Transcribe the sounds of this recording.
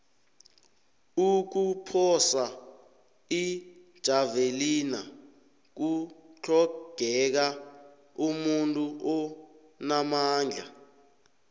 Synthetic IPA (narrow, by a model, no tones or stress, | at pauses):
uk̬upʰɔsa | id̥ʒ̥ʱavelina | k̬ut͡ɬʰɔɡ̥ʱɛk̬a | umuntʼuʔɔ | namaːŋd͡ɮʱa̰